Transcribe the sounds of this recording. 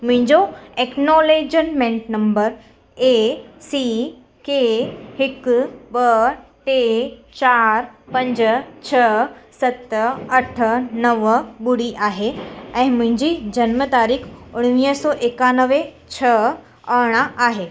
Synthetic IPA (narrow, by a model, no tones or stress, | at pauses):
mʊ̃ɦɪ̃ɲd͡ʑoeknoled͡ʑənmẽɳʈnəmbəɾ | esi | kehɪkbəʈet͡ɕaɾpə̃ɲd͡ʑt͡ɕʰəsət̪əəʈʰnəʋbuɽiʔaɦeɛ̃ːmʊ̃ɦɪ̃ɲd͡ʑid͡ʑənmət̪aɾiːkʰʊɽ̃ʋiəsɔːʔekanəʋẽ | t͡ɕʰə | əɽ̃aʔaɦe